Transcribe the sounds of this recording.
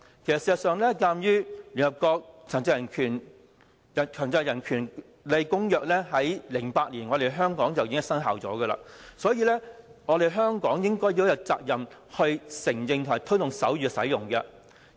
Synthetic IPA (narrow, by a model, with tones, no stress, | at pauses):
kʰe˨˩sɐ˨tsːzɐ˨t̚sœː˨ŋlɛː˥kaː˧mjyː˥ly˨nhɐ˨p̚kɔː˧k̚t͡sʰa˨˩ŋt͡sɪ˧ŋjɐ˨˩nkʰyː˨˩n | ɐ˨˩kʰœː˨˩ŋt͡sɐ˧wjɐ˨˩nkʰyː˨˩n | le˨˧jkʊ˥ŋjœː˨k̚lɛː˥ɦɐ˨˥jlɪ˨˩ŋpaː˧t̚liː˨˩nŋɔː˨˧ɾe˨˩jɦœː˥ŋkɔː˨˥ŋt͡sɐ˨wjiː˨˥ŋ˨sɐ˥nɦaː˨wt͡sɔ̰ː˨˥ɡə˧la̰ː˧sɔː˨˥jiː˧lɛ˥ŋɔː˨˧ɾe˨jɦœː˥ŋkɔː˨˥ŋjɪ˥ŋkɔː˥jjɐ˨˧wt͡sa̰ː˧k̚jɐ˨mhɵ˧ɥsɪ˨˩ŋjɪ˧ŋt̪ʰʊ˨˩maː˨˩jt̪ʰɵ˥ɥt̪ʊ˨ŋsɐ˨˥wjyː˨˧sɐ̰˨˥jʊ˨˩ŋkɛ˧